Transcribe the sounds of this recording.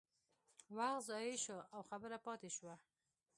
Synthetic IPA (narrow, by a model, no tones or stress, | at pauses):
waxzɑjeʃoʔawxabəɾapɑt̪eʃwa